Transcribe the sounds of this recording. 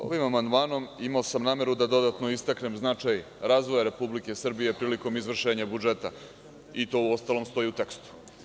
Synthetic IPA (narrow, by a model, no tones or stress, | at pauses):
o̞̰ʋimamand̪maːno̞mimaosamnaːme̞ɾud̪ad̪o̞d̪at̪no̞ist̪akne̞mznat͡ʃaj | ɾaːzʋojaɾe̞publike̞sr̩bije̞pɾiːliko̞mizʋr̩ʃe̞ːɲabud͡ʒe̞t̪a̰ | it̪o̞uo̞st̪alo̞mst̪o̞iut̪e̞kst̪u̥